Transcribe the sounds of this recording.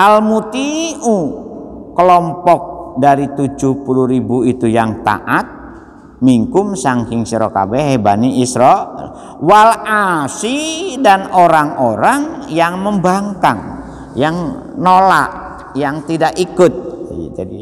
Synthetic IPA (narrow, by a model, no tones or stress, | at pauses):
ʔalmut̪iu | kəlɔmpɔk̚daɾit̪ud͡ʒuhpuluɾibuit̪ujaŋt̪a̰ʔat̪̚ | miŋkʊmsaŋkɪŋsiɾɔka̰bɛɦebaniːsɾɔ̰ | walasidanoɾaŋoɾaŋjaŋməmbaŋkaŋ | jaŋ | nola̰ʔ | jaŋt̪idakikʊt̪̚d͡ʒadi